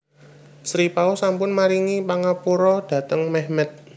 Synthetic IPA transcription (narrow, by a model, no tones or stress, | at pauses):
sɾipausampʊnmaɾiŋipaŋapuɾɔd̥ä̤t̪əŋmɛhmɛt̪̚